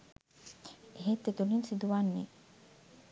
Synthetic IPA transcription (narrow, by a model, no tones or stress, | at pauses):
eɦet̪ːet̪uninsid̪uʋanːḛ